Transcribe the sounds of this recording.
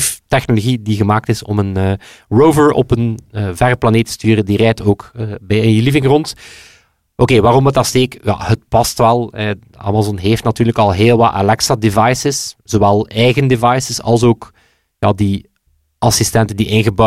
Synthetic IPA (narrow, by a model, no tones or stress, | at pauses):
ftɛxnoloɣidiɣəmaːk̚tɪsɔ̰mənəː | roːvəɹɔ̰pənːvɛrəplɑneːtːə̥styːɾəndirɛjtoːkːbɛjənjilivɪŋrɔnt | ʔokeːʋaːɾɔmətɑsteːkja̰ɦət̚pɑstʋɛlˠɛ | a̰ːmazɔnɦeːftnatyːrləkɑlˠɦeːlˠʋɑtʔa̰lɛksadevɑjsɪsz̥owɛlˠɛjɣəndevɑjsɪsɑ̰lˠsoːk | jadi | ʔɑsistɛntəndiʔɪnɣəbɑ